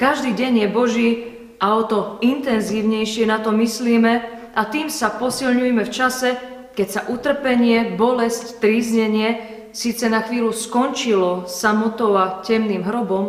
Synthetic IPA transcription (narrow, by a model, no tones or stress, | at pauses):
kaʒd̪iːɟɛɲjɛbɔʒiː | aɔt̪ɔint̪ɛnziːʊɲɛjʃɪɛnat̪ɔmisliːmɛ | ʔat̪iːmsapɔsilɲujɛmɛft͡ʃasɛ | kɛcsaʔut̪r̩pɛɲɪɛbɔlɛsct̪ɾiːzɲɛɲɪɛ | siːt͡sɛnaxʋiːluskɔnt͡ʃilɔsamɔt̪ɔʊacɛmniːmɦɾɔbɔm